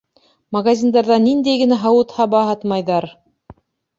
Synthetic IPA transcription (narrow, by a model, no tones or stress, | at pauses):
mɐɡazʲind̪ɑɾðɑnind̪æjɡɘ̆næɦɑwɤ̆t̪hɑbɑɦɑt̪mɑjðɑɾ